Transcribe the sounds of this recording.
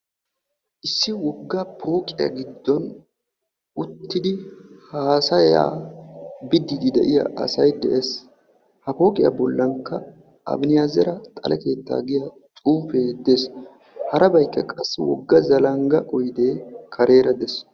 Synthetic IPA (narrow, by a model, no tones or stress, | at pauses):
ʔɪsːɪwɔɡːɐpʰo̞ːkʼɪjɐ̰ɡɪd̪ːɔn | ʔʊt̪ːɪd̪ɪhaːsɐja̰ː | bɪd̪ːɪd̪ɪd̪ɛ̰ʔɪjɐ̰ʔɐ̰sɐjd̪ɛ̰ʔes | hɐpo̞ːkʼɪjɐ̰bɔlːɐŋkːɐ | ɐ̰bnɪjazɛɾɐt̪ʼɐ̰lʔɛke̞ːt̪ːa̰ːɡɪjɐ | t͡sʼuːfe̞ːd̪es | hɐɾɐbɐjkːɛkʼɐsːɪwɔɡːɐzɐlɐŋɡɐʔɔjd̪e̞ːkʰɐɾe̞ːɾɐd̪ɛs